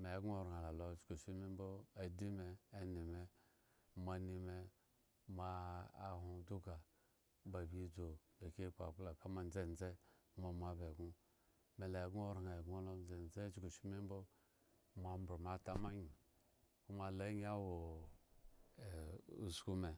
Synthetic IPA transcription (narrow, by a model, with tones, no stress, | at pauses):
me˨˦ɡu˦o˦ɾa˨la˨lo˨˦t͡ʃku˨ʃi˦mi˦m˦bo˦a˨di˦meː˨ni˨me˨ | ma˨ni˨me˨ | maː˦˨hu˦du˦ka˨ | ba˨bi˦d͡zo˨lo˨ke˦˨k͡pa˨k͡pla˨ka˦ma˦˨n˦d͡ze˦˨n˦d͡ze˦ma˨m˨a˨be˨ɡu˦ | me˨la˨ɡu˦o˦ɾna˨ɡu˦o˦lo˦d͡ze˨n˨˦d͡ze˦t͡ʃi˦ko˨ʃi˦mi˦m˦bo˦ | ma˨m˦bɾo˨ma˨ta˦ma˦ɲi˨ | ku˦ma˨la˦ɲi˦a˦wo˨ | u˨sku˦me˨